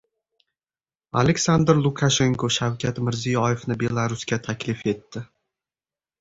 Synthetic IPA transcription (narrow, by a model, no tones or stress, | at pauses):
a̰lekʲsand̪ɾlˠʊkʰaʃe̞ŋkʰoʃawkʲʰat̪mɪɾzijɒjefnɪbe̞lˠaɾʊskʲat̪ʰakʲlɪfe̞t̪ːɪ